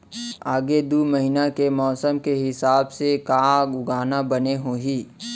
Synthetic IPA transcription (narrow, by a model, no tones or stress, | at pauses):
aːɡed̪uːməɦinakemɔːsəmkeɦɪsaːbsekaːɡʊɡaːnabɐneɦoːɦiː